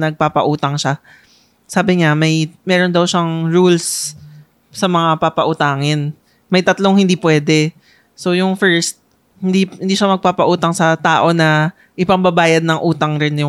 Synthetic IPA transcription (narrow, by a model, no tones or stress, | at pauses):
nɐɡ̚papɐʔuːt̪ɐŋʃa | saːbɪɲamɐjmɛːɾo̞nd̪ɐwʃaŋɹuls | sɐmɐŋapapɐʔʊt̪aːŋɪn | mɐjt̪ɐt̪loŋhɪnd̪iːpwɛːd̪ɛ | sojʊŋfɛɹst̪̚ | hɪnd̪ihnd̪iːʃamɐɡ̚papɐʔuːt̪ɐŋsɐt̪aːʔo̞nɐ | ʔɪpɐmbɐbaːjɐd̪̚nɐŋʔuːt̪ɐŋɾɪnjʊ